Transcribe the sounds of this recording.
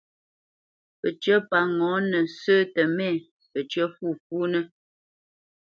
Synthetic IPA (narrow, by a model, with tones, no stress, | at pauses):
pə˨t͡ʃɰə˦pa˨ŋɔ̃˨˦nə˨səː˦tə˨mɛ˦˨ | pə˨t͡ʃɥə˦fu˦˨fu˦nə˦